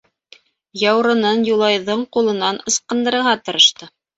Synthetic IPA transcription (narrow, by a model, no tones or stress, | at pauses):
jɑwɾɤ̆nɤnjulˠɑjðɤɴqulˠɤ̆nɑnɤ̆sqɤ̆nd̪ɤ̆ɾɤ̆ɾʁɑt̪ɤ̆ɾɤ̆ʃt̪ɤ